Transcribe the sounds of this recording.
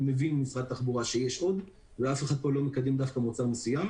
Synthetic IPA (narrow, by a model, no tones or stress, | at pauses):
mevinmisʁad̪t̪ːaχbuʁaʃejeʃʔo̞d̪ | veafeχad̪̚po̞lo̞mekad̪emd̪afkamot͡saʁmesujam